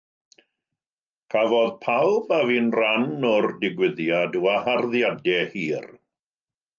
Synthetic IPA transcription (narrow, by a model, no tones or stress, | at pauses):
kʰavɔðpʰalˠbaviːnranːɔrdɪɡwɪðjaduaharðjadɛhiːr